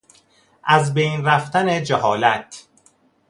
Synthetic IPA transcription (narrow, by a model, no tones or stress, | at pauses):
ʔæzbejnɾæft̪æned͡ʒeɦɒːlæt̪ʰ